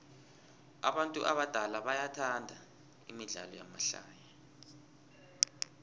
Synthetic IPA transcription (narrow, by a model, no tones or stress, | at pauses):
a̰ɓantʼuʔaɓad̥ʱalaɓajatʰandʱa | imiɮa̰lɔjama̰ɬa̰ːja